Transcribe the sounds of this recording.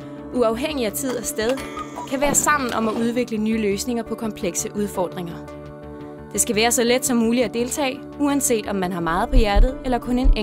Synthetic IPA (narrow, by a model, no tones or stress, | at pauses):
ʔuɑ̈ʊɦeŋ̰iæt͡sʰið̞̰ˠæsd̥eð̞ˠkʰæʋæːɐsɑ̈m̰n̩ʔɒ̽mæʔuð̞ˠʋe̝ɡ̥lənyːløːsne̝ŋɐpʰɒ̽kʰɒ̽mpʰleɡ̥səʔuð̞ˠfɒ̰ːd̥ʁeŋɐ | d̥e̝sɡ̥æʋæːɐsɒ̽led̥sɒ̽mːuːliæd̥e̝ːlt͡sʰɛ̰ː | uænse̝̰ːd̥ɒ̽mːænɦɑ̈mɑ̈ːð̞̩ˠpʰɒ̽jæɐd̥ð̞̩ˠelɐkʰɔ̽ne̝ne